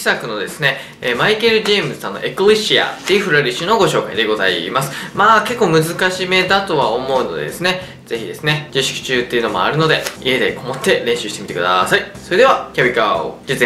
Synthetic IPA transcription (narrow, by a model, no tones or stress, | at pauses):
i̥sakɯ̟no̞d̪e̞sɨne̞ː | maike̞ɾɯ̟ʑeːmɯsɨ̥ãnːoʔekɯɾʲiɕia̰t̪ʲiɸɯ̟ɾaɾʲiɕɨno̞ɡo̞ɕo̞ːkaḭd̪e̞ɡo̞za̰ḭmasɨ̥maːke̞kːoːmɯ̟zɨkaɕime̞d̪at̪o̞βaomo̞ɯ̟no̞d̪e̞d̪e̞sɨne̞ | z̥e̞çʲid̪e̞sɨne̞d͡ʑiɕi̥ki̥t͡ɕɨːt̪ːe̞iɯ̟no̞moa̰ɾɯ̟no̞d̪e̞ie̞d̪e̞ko̞mot̪ːe̞ɾẽ̞ɕɨːɕit̪e̞mit̪e̞k̟d̪a̰saiso̞ɾe̞d̪e̞βakʲabʲikao̰d͡ʑit͡s